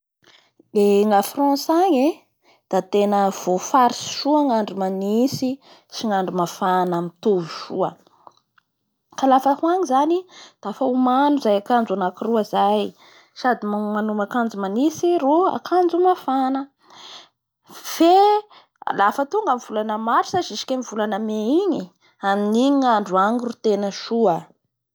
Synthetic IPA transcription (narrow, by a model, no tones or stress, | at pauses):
beŋafrɔ̃saɲe | d̪̥at̪enəv̥ofaɾisi̥ʃuaŋaɳɖ͡ʐumanisi | siŋaɳɖ͡ʐumafanamit̪uvuʃuə̰ | kalafəhuaɲizanid̪̥afaumanuzajakand͡zanakiruazaj | sad̪immanumakand͡zumanisiɾua̰kʰand͡zumafanə | fḛ | lafət̪uŋɡamiv̥ulanəmaɾi̥saziʃi̥kʲemivulanəmeiɲi | aminiɲiŋaɳɖ͡ʐuaŋirut̪enəʃuə